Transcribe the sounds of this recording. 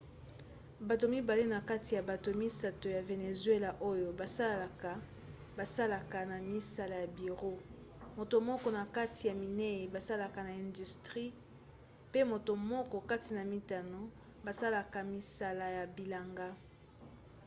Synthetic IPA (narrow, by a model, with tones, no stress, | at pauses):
ba˨to˨mi˦ba˨le˦na˨ka˦ti˨ja˨ba˨to˨mi˦sa˨to˨ja˨ve˨ne˨zwe˦la˨ʔo˦jo˨ba˨sa˦˨ka˨ | ba˨sa˦la˨ka˨na˨mi˦sa˨la˨ja˨bi˨ʁo˦ | mo˨to˨mɔ˦kɔ˦na˨ka˦tʰi˨ja˨mi˨ne˦e˨ba˨sa˦la˨ka˨na˨ɛ̃˨ndy˨stʁi˦ | pe˦mo˨to˨mɔ˦kɔ˨ka˦ti˨na˨mi˨ta˨no˨ | ba˨sa˦la˨ka˨mi˨sa˦la˨ja˨bi˨la˨ŋɡa˦